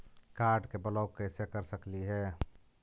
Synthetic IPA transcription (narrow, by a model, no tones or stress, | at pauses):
kaːɾɖkebələʊkəsekəɾsəkliɦɛː